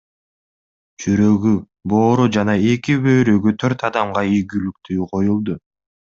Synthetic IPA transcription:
d͡ʒyɾø̞ɡy | bo̞ːɾud͡ʒɑnɑe̞kibø̞jɾøɡyt̪ʰøɾt̪ɑd̪ɑmʁɑijɡylyk̚t̪ʰyːqʰo̞julˠd̪u

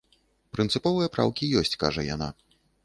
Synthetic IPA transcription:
pɾɨnt̪sɨpɔvɨjɐpɾa̰wkʲijɔsʲt͡sʲkaʐɐja̰na̰

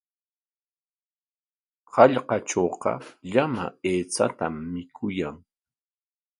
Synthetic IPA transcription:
hɑʎqɑt͡ʃoːqɑ̰ʎama̰eːt͡sa̰t̪amːɪkʰʊjaŋ

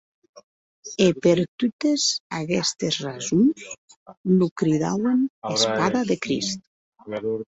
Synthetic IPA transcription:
epeɾt̪ut̪ezaɣɛst̪ezrazumsnukɾiða̰wenespaðaðekɾḭst̪̚

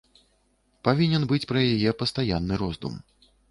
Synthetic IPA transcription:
pavʲinʲɛnbɨt͡sʲpɾɐjajɛpɐst̪ajanːɨɾɔzd̪ṵm

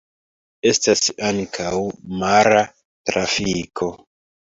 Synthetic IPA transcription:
e̞stasaŋkʰawmaɾa | tɾafikʰo̞

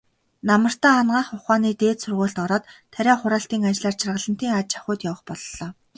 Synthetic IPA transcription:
namə̆r̥t̪aːanɢaːχʊχaːniːt̪eːt̪sɵrʁoːɬt̪ɔɾɔːt̪ʰːæɾʲæːχʊɾaːɬt̪iːŋant͡ɕɮaːr̥t͡ɕʰɪ̆rʁə̆ɮə̆n̥t̪iːŋat͡ɕḁχʲʊːt̪jawə̆χpɔɮɞɮɔː

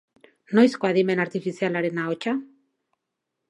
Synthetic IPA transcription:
no̞jskoaðime̞naɾt̪ifisialaɾe̞naot͡ʃa

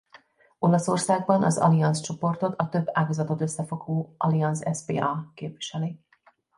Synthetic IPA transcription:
o̞lɒso̞rsaːɡbɒnʔɒ̰zɒ̰liɒnst͡ʃo̞po̞rt̪o̞t̪ɒt̪ø̞bːaːɡɒzɒt̪o̞t̪øsːɛfo̞ɡoːʔɒliɒnsɛspḛːʔɒkeːpʋiʃɛle

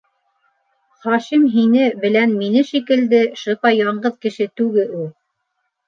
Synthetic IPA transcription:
χɑʃimɦinɘbɘ̆lænminɘʃikɘ̆ld̪ɘʃɤ̆pɑjɑɴɢɤðkɘ̆ʃɘt̪ʉɡɘʔulˠ

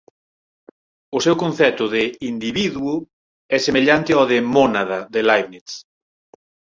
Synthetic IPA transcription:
ʊsɛwkõnθɛt̪ʊðɪind̪iβiðuʊ | ɛsemeʎant̪ɪɔðemɔnaðaðɪlajβnit̪s

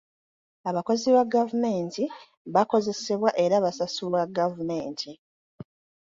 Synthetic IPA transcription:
aβako̞ziβaɡavume̞ːnti | βako̞ze̞se̞βwaʔe̞ɾaβasasuβwaɡavume̞ːntʰi

